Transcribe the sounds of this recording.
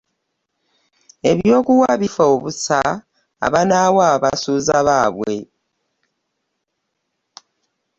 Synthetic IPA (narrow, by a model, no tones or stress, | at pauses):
e̞βjo̞ːkuwaβifaoβusa̰ː | βanawaːβasuzaβaβwe̞̰